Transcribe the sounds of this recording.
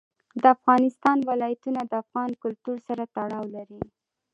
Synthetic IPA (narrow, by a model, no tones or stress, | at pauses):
d̪əafɣɑnɪst̪ɑnwɪlɑjat̪unad̪əafɣɑnkʊlt̪uɾsaɾat̪aɽɑwlaɾi